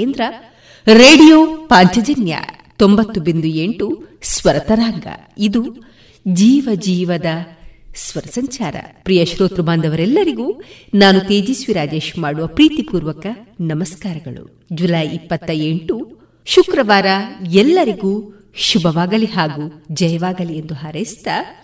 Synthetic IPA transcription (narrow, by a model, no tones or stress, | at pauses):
end̪ɾɐ | ɾeːɖijoːpaːɲt͡ʃɐd͡ʒɐnjɐ̰ | t̪o̞mbɐt̪ːubind̪ueɳʈusʋɐɾɐt̪ɐɾaːŋɡɐ̰ | id̪u | d͡ʒiːʋɐd͡ʒiːʋɐd̪ɐsʋɐɾɐsɐɲt͡ʃaːɾɐ̰pɾiːjɐʃɾoːt̪ɾubaːnd̪ɐʋɐɾɛlːɐɾiɡuːnaːnut̪eːd͡ʒisʋiɾaːd͡ʒe̞ːʃmaːɽuʋɐpɾiːt̪ipuːɾʋɐkɐnɐmɐskaːɾɐɡɐɭṵ | d͡ʒulɐjipːɐt̪ːɐeɳʈu | ʃukɾɐʋaːɾɐɛlːɐɾiɡuː | ʃubɐʋaːɡɐliɦaːɡuːd͡ʒɐjɐʋaːɡɐliend̪uɦaːɾɐst̪ɐ